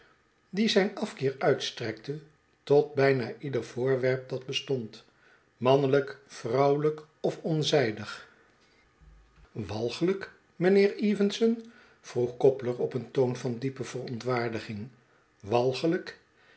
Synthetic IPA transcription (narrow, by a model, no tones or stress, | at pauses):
dizɛjnɑfkɪːɹœɥtstrɛk̚tə | tɔd̚bɛjnaːʔidəɹv̥ʊːɹʋɛɹp̚dɑd̚bəstɔnt | mɑnələkfrɑwlək | ɔfɔnzɛjdəχ | ʋɑlˠχələk | mənɪːɹiːvənsən | v̥ruχkɔpləɹɔpəntownvɑndipəv̥ərɔntʋaːɹdəχɪŋ | ʋɑlˠχələk